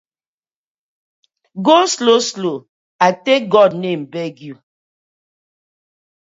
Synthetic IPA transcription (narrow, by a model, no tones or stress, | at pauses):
ɡosloslo | aɪtek̚ɡɔdnẽmbɛɡju